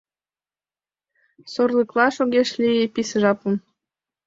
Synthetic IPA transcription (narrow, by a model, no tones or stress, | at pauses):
sorlˠɤ̆klˠɑʃoɣʲeʃlʲijepʲisʒɑpɤ̆m